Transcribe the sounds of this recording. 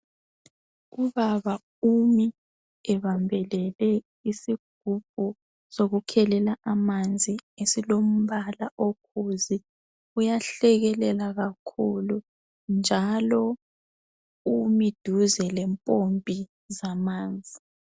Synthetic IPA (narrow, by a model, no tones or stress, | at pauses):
uβaβa | umi | ɛβambʱɛlɛlɛ | isiɡ̥ʱub̥̚ʱu | soɣukʰɛlɛlaʔamand͡zʱiesilom̩βalaʔokʰuzi | ujaɬɛɣɛlɛlaɣakʰulu | nd͡ʒʱalɔ | umid̥ʱuzɛlɛmpʼompʼi | zamaːnd͡zʱi